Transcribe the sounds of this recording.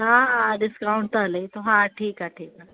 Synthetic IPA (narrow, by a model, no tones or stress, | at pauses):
ɦãɖɪskaʊɳʈ̚t̪əlet̪oɦãʈʰiːkaʈʰiːka